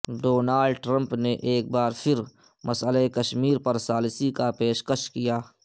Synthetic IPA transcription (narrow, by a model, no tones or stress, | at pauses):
ɖoːnaːlɖʈɾə̃mpneʔeːk̚baːɾpʰɪɾ | mɐsəlekɐʃmiːɾpɐɾsaːlsikapeːʃkəʃkijaː